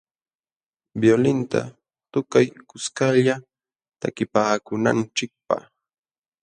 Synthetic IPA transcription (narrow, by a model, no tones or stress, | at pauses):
bjolɪnt̪a̰ | t̪ʊkajkʊskaʎa | t̪akɪpaːkʊna̰nt͡ʃɪk̚pa̰χ